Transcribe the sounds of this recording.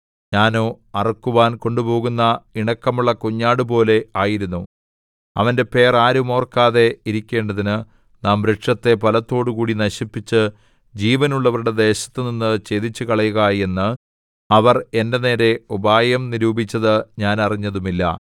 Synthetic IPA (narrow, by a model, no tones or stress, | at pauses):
ɲaːnoː | ɐrɐkːuʋaːnko̞ɳɖupo̞ːɣunːɐiɳɐkːɐmuɭːɐkuɲːaːɽɨpo̞ːle̞aːjiɾunːu | ɐʋɐnde̞pe̞ːraːɾumo̞ːrkaːðe̞iɾikʲːe̞ːɳɖɐðinɨ | naːmʋɾeʈʂɐt̪ːe̞pɐlɐt̪ːo̞ːɽukuːɽinɐɕipːit͡ɕːɨ | d͡ʑiːʋɐnuɭːɐʋɐɾuɽe̞d̪e̞ːɕɐ̥t̪ːɨninːɨt͡ɕe̞d̪it͡ɕːukɐɭɐjuɣaje̞nːɨ | ɐʋɐre̞ndɐne̞ːɾe̞ubaːjɐmniɾuːbit͡ɕːɐðɨɲaːnɐriɲːɐðumilːɐ̰